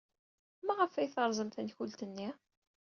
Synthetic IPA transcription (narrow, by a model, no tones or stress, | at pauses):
mæʁəfæjθəɾˤzˤəmθənçult̪ənːi